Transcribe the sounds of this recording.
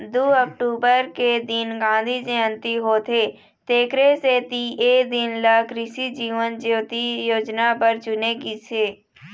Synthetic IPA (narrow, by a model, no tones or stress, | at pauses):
d̪uːək̚ʈuːbəɾked̪ɪnɡãːnd̪ʱid͡ʒeə̃nt̪iɦoːt̪ʰeː | t̪eːkɾeset̪ieːd̪ɪnlaːkɾɪʃid͡ʒiːʋənd͡ʒeʋt̪ijoːd͡ʒnapəɾt͡ʃʊnekiseː